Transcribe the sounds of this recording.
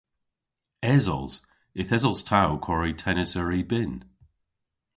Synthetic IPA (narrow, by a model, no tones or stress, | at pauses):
ɛzɔ̰lˠz̥ | ɪθɛzɔlˠz̥tʰawkʰɔɹitʰɛnɪsəɹibɪn